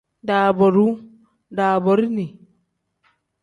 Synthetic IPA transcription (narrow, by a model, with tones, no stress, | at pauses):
daː˨bɔ˨ɾu˦ | daː˨bɔ˨ɾi˦ni˨